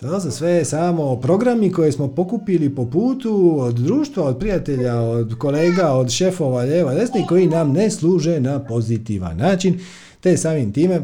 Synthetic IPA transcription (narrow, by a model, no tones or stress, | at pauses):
t̪ososʋe̞saːmo̞pɾo̞ɡɾamiko̞jesmo̞po̞kupilipo̞puːt̪uod̪d̪ɾuːʃt̪ʋaod̪̚pɾijat̪e̞ʎaod̪ko̞leːɡaod̪ʃefo̞ʋaʎeʋod̪esniko̞jinamneslˠuːʒenapo̞zit̪iʋa̰nːaːt͡ʃin | t̪e̞saːmimt̪iːme̞